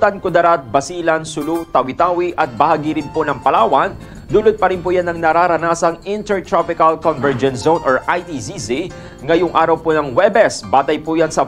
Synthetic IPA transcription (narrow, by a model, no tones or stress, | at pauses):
t̪ɐnkʊd̪ɐɾat̪̚bɐsiːlɐnsʊlut̪ɐwɪt̪aːwiʔɐt̪̚bɐhaːɡɪɾɪnponɐŋpɐlaːwɐn | d̪uːlʊd̪̚pɐɾɪnpʊjanːɐŋnɐɾaːɾɐnaːsɐŋɪnt̪ɛɹt̪ɾapɪkɐlkɔnvɛɹd͡ʒɛnzownʔɔɹʔajt̪isisi | ŋɐjʊŋʔaːɾɐwponɐŋwɛbɛsbaːt̪ɐjpujansɐ